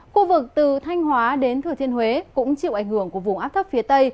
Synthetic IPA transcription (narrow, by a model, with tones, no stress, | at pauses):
xu˧vɨ˨˩k̚t̪ɨ˨˩t̪ʰa˧jŋ̟hwaː˨˦ɗe˨˦nt̪ʰɨ˨˩t̪ʰi˧ənhɦwe˨˦kʊ̰˧˥ŋ͡mt͡ɕḭ˧˨ʔa˧˩jŋ̟hɨ˧˩əŋku˧˩əvʊ˨˩ŋ͡mʔaː˦˥p̚t̪ʰə˦˥p̚fi˨˦ət̪ə˧j